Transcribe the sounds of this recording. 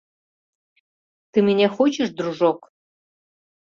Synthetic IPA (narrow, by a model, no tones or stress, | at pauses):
t̪ɨmenʲexot͡ɕeʃd̪ɾuʒok